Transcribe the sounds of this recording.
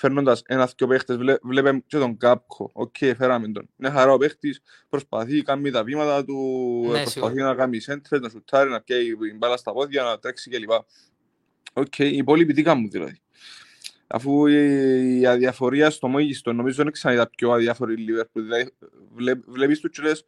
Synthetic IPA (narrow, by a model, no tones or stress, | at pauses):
fe̞ɾnːod̪ɐsenɐspcopext̪ezlevlepemcet̪o̞ŋɡap̚kʰo̞̰o̰cʰːejfeɾɐmend̪o̞̰nine̞xɐɾaope̞xt̪is | pɾospɐθikɐmːit̪ɐvimɐt̪ɐt̪upɾospɐθinɐkamːisent̪ɾeznɐsut̪ʰːɐɾinɐpjeiimbalɐst̪ɐpo̞θʝɐnɐt̪ɾeksicelipɐ | ocʰːejːpo̞lipit̪ikɐmːuðḭlɐ̰ði̥ | ɐ̰fu | ɐðiɐfo̞ɾiɐst̪o̞moʝist̪o̞nːo̞mizːoineksɐnait̪ɐp̚coaðiɐfoɾilːivespuðilɐði | vlevlepist̪ut͡ʃːoles